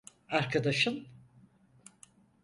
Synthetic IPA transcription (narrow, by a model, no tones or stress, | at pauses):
aɾkʰad̪aʃɯm